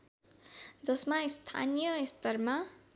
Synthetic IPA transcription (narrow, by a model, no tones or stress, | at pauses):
d͡zʌsmaist̪ʰa̰nijʌist̪ʌrma